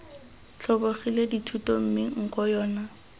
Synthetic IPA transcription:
t͡ɬʰɔboχileditʰutom̩mɪŋ̩kɔjɔːna

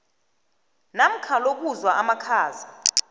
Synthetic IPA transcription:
nam̩kʰalok̬uzwaʔamakʰaːza

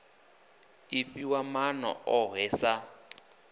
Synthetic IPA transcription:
ifiwamanɔ̰ɔɦɛːsa

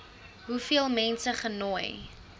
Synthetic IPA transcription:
ɦufiəlˠmɛnsəχənɔj

